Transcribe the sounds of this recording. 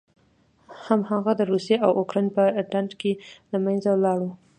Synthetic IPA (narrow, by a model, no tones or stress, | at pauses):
hamhaɣad̪əɾusjeʔawʔokɾɑjnpəɖandkelamajnzawlɑɽu